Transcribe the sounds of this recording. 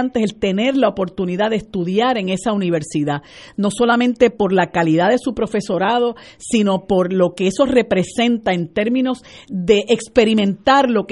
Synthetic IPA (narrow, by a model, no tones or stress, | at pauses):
nt̪e̞selt̪e̞ne̞ɾlaopo̞ɾt̪uniðaðest̪uðjaɾe̞ŋe̞sauniβe̞ɾsiðano̞so̞lamẽnt̪e̞po̞ɾlakaliðaðe̞supɾo̞fe̞so̞ɾað̞o̞sino̞po̞ɾlo̞keeso̞re̞pɾe̞sẽ̞nt̪ae̞nt̪e̞ɾmĩno̞sðe̞ʔekspe̞ɾimẽnt̪aɾlo̞k